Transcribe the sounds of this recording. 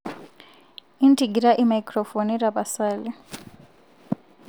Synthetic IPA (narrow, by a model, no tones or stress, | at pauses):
intʰʼiɡiɾaʔimaikʼrɔfonirapasaːli